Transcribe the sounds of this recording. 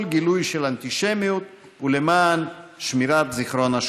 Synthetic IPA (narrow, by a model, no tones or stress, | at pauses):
lɡilujʃelant̪iʃemijut̪ | ulemaːnʃmiɾat̪ziχɾonaʃ